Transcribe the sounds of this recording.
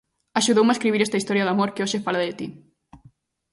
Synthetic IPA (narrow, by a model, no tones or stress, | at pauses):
aʃuðowmeskɾiβiɾɛst̪ɐist̪ɔɾjɐðamoɾkeoʃefalaðɪt̪i